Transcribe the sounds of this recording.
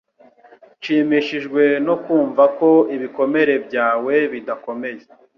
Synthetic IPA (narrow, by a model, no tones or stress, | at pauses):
t͡ʃiːmiʃiʒɡwe̞no̞kuːɱvako̞iβiko̞me̞ɾe̞bɟaːwe̞βidako̞me̞je